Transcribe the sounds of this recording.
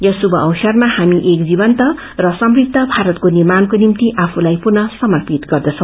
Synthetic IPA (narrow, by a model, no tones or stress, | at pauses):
jʌsubʱʌʔʌwsʌrmahamiʔek̚d͡zibʌnt̪ʌ | rʌsʌmriɡ̚d̪ʱːʌbʱaɾʌt̪konirmankonimt̪iʔapʰulajpurnʌsʌmʌrpit̪ɡʌrd̪ʌt͡sʰʌ̃w̃